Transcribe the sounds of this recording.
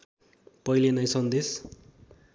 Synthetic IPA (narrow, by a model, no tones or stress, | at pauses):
pʌjlenʌjsʌnd̪es